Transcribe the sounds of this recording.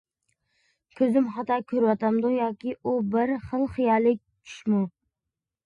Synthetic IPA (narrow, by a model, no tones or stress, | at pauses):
kʲʰɵzɪmχɑt̪ɑkʲʰɵɾwɑt̪ʰamd̪ʊjɒːkʲɪʔʊbɪɾχəlˠχɨjɑlɪk̚ʲt͡ʃʰʊ̥ʃmʊ